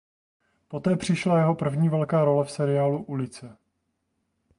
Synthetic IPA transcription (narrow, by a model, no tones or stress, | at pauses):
po̞t̪ɛːpr̝̥ɪʃlajɛɦo̞pr̩vɲiːvɛlkaːɾo̞lɛfsɛɾɪjaːluʔulɪt͡sɛ